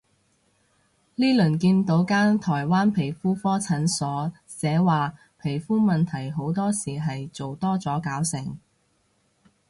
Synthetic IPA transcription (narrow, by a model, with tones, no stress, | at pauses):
liː˥lɵ˨˩nkiː˧nt̪o˨˥wkaː˥nt̪ʰɔː˨˩jwaː˥npʰe˨˩jfuː˥fɔː˥t͡sʰɐ˨˥nsɔː˨˥ | sɛː˨˥waː˨ | pʰe˨˩jfuː˥mɐ˨nt̪ʰɐ˨˩jɦo˨˥wt̪ɔː˥siː˨˩ɦɐ˨jt͡so˨wt̪ɔː˥t͡sɔː˨˥kaː˨˥wsɪ˨˩ŋ